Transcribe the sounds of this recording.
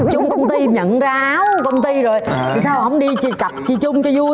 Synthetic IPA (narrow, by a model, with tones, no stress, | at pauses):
t͡ɕʊ˧ŋ͡mkə˧wŋ͡mt̪i˧ɲə̰˧˨nzːaː˧ʔaː˨˦wkə˧wŋ͡mt̪i˧zo˨˩jt̪ʰi˨˩saː˧wɦə̰˧˥wŋ͡mɗi˧t͡ɕt͡ɕa˨˩p̚t͡ɕi˧˩t͡ɕʊ˧ŋ͡mt͡ɕɔ˧zu˧